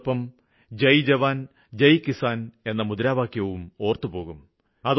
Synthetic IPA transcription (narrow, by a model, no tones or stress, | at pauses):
pːɐm | d͡ʑɐjd͡ʑɐʋaːn | d͡ʑɐjkisaːne̞nːɐmud̪ɐɾaːʋaːkjɐʋumo̞ːrt̪ɨpo̞ːɣum | ɐð